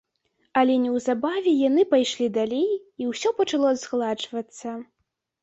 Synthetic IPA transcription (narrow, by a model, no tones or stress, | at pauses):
ɐlʲɛnʲɛwzabavʲɛjanɨpajʂlʲid̪alʲej | iwsʲɔpɐt͡ʂalˠɔzɣlˠat͡ʂvɐt̪sːɐ